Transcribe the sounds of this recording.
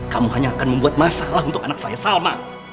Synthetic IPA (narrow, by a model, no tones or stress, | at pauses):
kamuhaɲaːkːanmubuət̪̚maːsalahɯt̪oʔaaksajasaːwmaː